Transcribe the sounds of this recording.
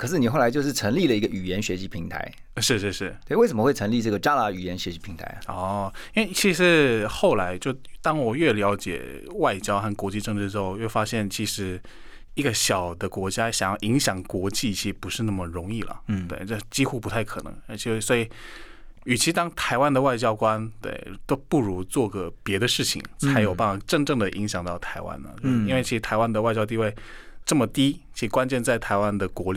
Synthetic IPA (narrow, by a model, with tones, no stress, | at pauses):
kʰɤ˨˩ʂɻ̩˥˩ni˨˩xo˥˩ʊla˧˥t͡ɕjo˥˧ʊʂɻ̩˥˩ʈ͡ʂʰɤ˧˥ŋli˥˩lə˩i˧˥ɡə˧ʔy˨˩jɛ˧˥nɕɥɛ˧˥ɕi˧˥pʰi˧˥ŋt̪ʰa̰˧˥ɪ | ʂɻ̩˥˧ʂɻ̩˥˧ʂɻ̩˥˩we˥ɪwe˥˩ɪʂə˨˦mə˦xwe˥˩ɪʈ͡ʂʰɤ˧˥ŋli˥˧ʈ͡ʂɤ˥˩ɡə˩ʈ͡ʂa˥la˧˥y˨˩jɛ˧˥nɕɥɛ˧˥ɕi˧˥pʰi˧˥ŋt̪ʰa̰˧ɪ˩ɔ˥˩i˥we˥˩ɪt͡ɕʰi˧˥ʂɻ̩˧˥xo˥˩ʊla˧˥ɪt͡ɕjo˥˩ʊt̪ɑ˥ŋwɔ˨˩ɥɛ˥˩ljɑ˧˥ʊt͡ɕjɛ̰˨˩ | wa˥˩ɪt͡ɕjɑ˥ʊxa˥˩nkwɔ˧˥t͡ɕi˥˧ʈ͡ʂɤ˥˧ŋʈ͡ʂɻ̩˥˩ʈ͡ʂɻ̩˧˥xo˥˧jwɛ˥˩ʊfa˥ɕjɛ˥˩nt͡ɕʰi˧˥ʂɻ̩˧˥ | i˥ɡə˧ɕjɑ˨˩ʊd̪ə˦kwɔ˧˥t͡ɕja˥ɕjɑ˨˩ŋjɑ˥˩ʔi˧˥ŋɕjɑ˨˩ŋkwɔ˧˥t͡ɕi˥˩t͡ɕʰi˧˥ʂ̩˥˩pu˧˥ʂɻ̩˥˧na˥˩mə˨˩ɻʊ˧˥ŋi˥˩lə̰˩t̪we˥˩ɪʈ͡ʂə˥˧˩t͡ɕi˥xu˥˧pu˧˥t̪ʰa˥˩ɪkʰɤ˨˩nɤ̰˧˥ŋ˧˥˩t͡ɕʰi˧˥˩swɔ˧˥i˨˩ | y˨˩t͡ɕʰi˧˥t̪ɑ˥ŋt̪ʰa˧˥ɪwa˥nd̪ə˨˧wa˥˧ɪt͡ɕjɑ˥ʊkwa˥nt̪we˥˩ɪt̪o˥ʊpu˥˩ɻu˧˥t͡swɔ˥˩ɡə˩pjɛ˧˥d̪ə˧ʂɻ̩˥˩t͡ɕʰḭ˨˩ŋt͡sʰa˧˥ɪjo˨˩ʊpa˥˩nfa˨˥˩ʈ͡ʂɤ˥˧ŋʈ͡ʂɤ˥˩ŋd̪ə˩ʔi˧˥ŋɕjɑ˨˩ŋt̪ɑ˥˩ʊt̪ʰa˧˥ɪwa̰˥nə̰˩˦t͡ɕo˥˧ʊʂi˥nwt͡ɕʰi˧˥ʂ̩˧t̪ʰa˧˥ɪwa˥nd̪ə˨wa˥˧t͡ɕjɑ˥ʊt̪̬i˥˧we˥˩ɪʈ͡ʂɤ˥˩mə˩t̪i˥i˧˥ʂɻ̩˧kwa˥nt͡ɕjɛ˥˧nt͡sa˥˩ɪt̪ʰa˧˥ɪwa˥nd̪ə˨kwɔ˧˥li˨˩